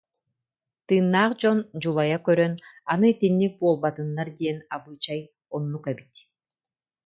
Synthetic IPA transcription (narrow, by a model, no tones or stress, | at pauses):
t̪ɯːnːaːqd͡ʑɔnd͡ʒulˠajakœɾœnanɯt̪inːik̚buːlˠbat̪ɯnːaɾd̪iɛnabɯːt͡ɕaj | ɔnːukɛbit̪